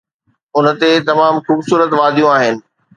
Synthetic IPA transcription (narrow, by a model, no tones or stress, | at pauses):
ʊnə̆t̪et̪ɐmaːmxuːbsuːɾət̪ʋaːd̪ʱijũaːɦɪnɪ̆